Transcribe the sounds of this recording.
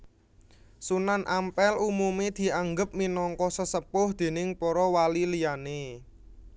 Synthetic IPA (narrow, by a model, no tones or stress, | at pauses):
sunanʔampɛlumumed̪̥i̤aŋɡəp̚minɔŋkɔsəsəpʊhd̪̥e̤nɪŋpɔɾɔwalilijane